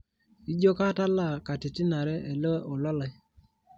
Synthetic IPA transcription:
i˦d͡ʒo˦ka˦ta˦la˦˨ka˨ti˨tɪ˦na˨ɾɛ˦ʔɛ˨lɔ˦ʔo˨lɔ˦la˨˦

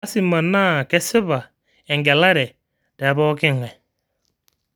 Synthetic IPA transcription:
a˦si˦ma˨na˦˨kɛ˦sɪ˦βa˨ | ɛ˨ŋɡɛ˨la˦ɾɛ˨ | d̥ɛ˨˦bɔ˦kɪ˦˨ŋɛ˨

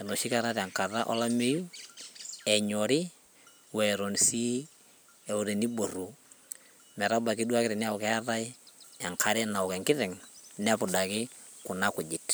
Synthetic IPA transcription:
ɛ˨nɔ˨ʃi˦ka˦ɾa˦ɾa˨ŋka˨ɾa˦ʔɔ̰˦la˦me˦ju˦ | ɛ˨ɲɔ˨ɾɪ˦ | wɛ˨ɾo˨nsi˦ | ɛ˨u˨ɾe˨ni˦bo˨ru˨ | mɛ˨ɾa˦ba˨kɪ˦dwa˦kɪɾɛ˨nɪ˦a˦ʊ˨kɛ˦a˦ɾa˦i˦ɛ˨ŋkʰa˦ɾɛ˦na˨ʊ˨kɛ˨ŋkɪ˦ðɛ˨ŋn˦a˦pʊ˨da˨kɪ˦kʊ˨na˦kʊ˨d͡ʒɪ˨t

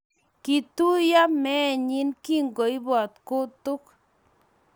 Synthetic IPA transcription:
ki˨tu˦ja˦mɛ˦˨ɲi˦nki˦ŋɡo˨jbɔ˨t̪ko˦tʊ˦k

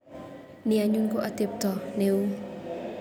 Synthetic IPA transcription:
ni˨a˨ɲu˧nko˦˨ʔa˨t̪i˨p̚t̪ɔ˨ne˨w

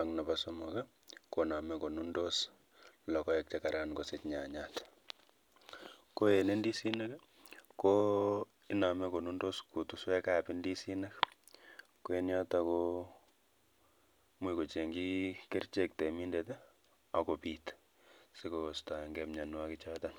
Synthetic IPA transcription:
a˨ŋna˨pasomo˨ka˦ | kona˨mɛko˨nu˦ndos | lɔ˨kɔ˦ɛk̚t͡ʃeka˨ɾa˦nkosetɲa˨ɲat | ko˦e˨ne˦ndi˦si˦na˦k | ko | ɪ˦na˨mɛ˦ko˨nu˦ndo˦sku˨tu˦swɛ˦ka˦˨pindi˦si˦na˦k | koe˦nja˦ta˨ko˦ | mwiko˨t͡ʃe˨ŋɡi˦ke˦rt͡ʃe˦k̚te˨mi˦ndete˦ | a˨ko˨pit | se˦kosta˨ŋɡɛmɲa˨nwa˦ki˦t͡ʃa˦ta˦n

